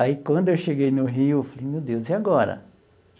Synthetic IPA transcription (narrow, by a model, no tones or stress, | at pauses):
aikwɐ̃nd̪ʊewʃeɡejnʊɦiʊfalĩmewd̪ewziaɡɔɾɐ̰